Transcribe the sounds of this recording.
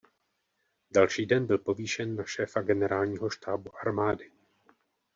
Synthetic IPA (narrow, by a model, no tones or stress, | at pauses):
dalʃiːdɛnbɪlpo̞viːʃɛnːaʃɛːfaɡɛnɛɾaːlɲiːɦo̞ʃt̪aːbuʔaɾmaːdɪ